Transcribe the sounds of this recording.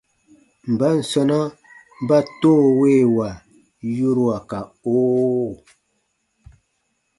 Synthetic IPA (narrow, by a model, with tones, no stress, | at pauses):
m̩˨ba˦n̩˨sɔ˦na˦ | m˦ba˦toː˦˨we˦˨wa˨ | ju˦ɾwa˨ka˨oː˦